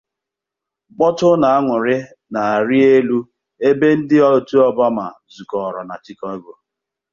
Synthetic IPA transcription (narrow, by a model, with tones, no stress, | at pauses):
ɡ͡bɔ˦tʊ˦na˨a˦ŋʊ˨ɾɪ˦ | na˨a˨ɾi˦e˦lu˦ | e˦be˦n̩˦dɪ˦ɔ˦˨tu˦ɔ˦ba˦ma̰˨ | zu˨kɔ˨ɾɔ̰˨na˨t͡ʃɪ˦kɔ˦e˦ɡʷo˦